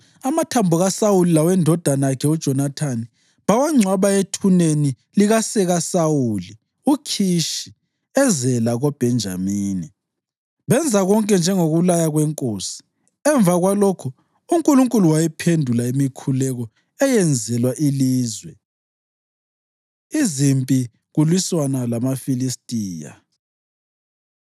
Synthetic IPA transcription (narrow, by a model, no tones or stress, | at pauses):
amatʰambʱuɣasawulilawɛndʱɔd̥ʱanakʰɛud̥ʒ̥ʱɔnatʰani | βawaŋ͡ǀʱwaβaetʰuneni | liɣasɛɣasawuli | ukʰiʃi | ɛzɛlaɣɔb̥ʱɛnd͡ʒʱa̰miːni | βɛnd͡zʱaɣɔŋkʼɛnd͡ʒʱɛŋoɣulajaɣwɛŋkʼoːsi̥ | ɛɱbvaɣwalokʰu | uŋkʼuluŋkʼuluwajɛpʰendʱulaimikʰulɛɣɔ | ɛjɛnd͡zʱɛlwaʔiliːzwɛ | izimpʼi | ɣulwiswanalamafilistʼiːja̰